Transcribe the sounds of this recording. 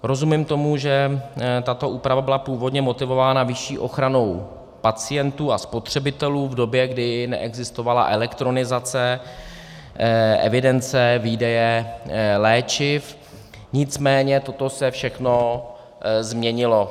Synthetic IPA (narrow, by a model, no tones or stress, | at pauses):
ɾo̞zumɪmt̪o̞muʒɛt̪at̪o̞ʔuːpɾavabɪlapuːvo̞dɲɛmo̞t̪ɪvo̞vaːnavɪʃiːʔo̞xɾano̞w | pat͡sɪjɛnt̪uːaspo̞t̪r̝̥ɛbɪt̪ɛluːvdo̞bjɛɡdɪnɛ̰ʔɛɡzɪst̪ovala̰ʔɛlɛkt̪ɾo̞nɪzat͡sɛ | ʔɛ̰vɪdɛnt͡sɛviːdɛjɛ | lɛːt͡ʃɪf | ɲɪt͡smɛːɲɛt̪o̞t̪o̞sɛfʃɛxno̞ | zmɲɛɲɪlo̞